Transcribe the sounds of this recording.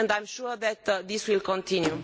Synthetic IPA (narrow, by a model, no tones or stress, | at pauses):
ndãj̃mʃuɹðɛt̪ðiswilkɔ̃nt̪ʰĩnju